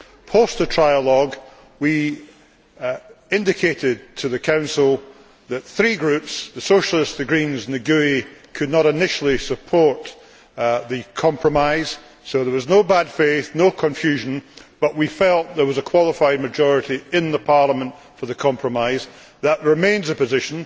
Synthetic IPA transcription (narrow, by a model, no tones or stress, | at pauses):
pʰostətʰɹ̥aɪəlˠɔɡ | wi | ɪ̃ndɪkʰeʔɪd̚tʰɨðɨkʰãʊ̃nsəl̩ˠ | ðəʔ̪θɹiɡɹʉpsðəsoʃl̩ˠɪstðɨɡɹĩnznɨɡʉikʰɨdⁿnəɾɪnɪʃl̩ˠisəpʰɔɹʔ | ðɨkʰɑ̃mpʰɹ̥əmaɪz̥ | soðə˞wʌznobad̥feθnokʰə̃ɱfjʉʒə̃nb̥ʌʔwifɛlˠʔðə˞wʌzəkʰw̥ɔlˠəfaɪd̚mɨd͡ʒɔɹɪʔiɪ̃nðəpʰaɹlˠəmə̃nʔ | fə˞ðəkʰɑ̃mpʰɹ̥əmaɪz | ðəʔɹɪmẽnzəpɨzɪʃə̃n̩